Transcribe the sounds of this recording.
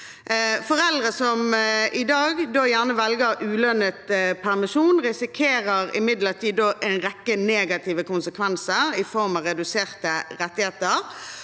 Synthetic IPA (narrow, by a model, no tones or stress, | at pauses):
fɔʁɛld̪ʁəsɔmʔɪd̪ɑːɡd̪oːjæʁnəʋɛlɡəʁʉːlœnət̪pʰæʁmɪʃuːnʁɪsɪkʰeːʁəʁɪ̰mɪd̪ləʁt̪ʰiːd̪oːʔæɪnʁɛkːəneːɡɑt̪ʰiːʋəkʊnsəkʰʋɛnsəʁɪfɔʁmɑʁɛd̪ʉseːʁt̪əʁɛt̪ːɪheːt̪əʁ